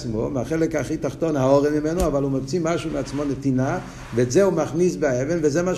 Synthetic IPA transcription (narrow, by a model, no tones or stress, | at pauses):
t͡smomaχelɛkaχitaχtonhaoʁɛmimɛnoavalumavt͡simaʃumeat͡smonetina | veːtzeumaχnis̬baevenvezema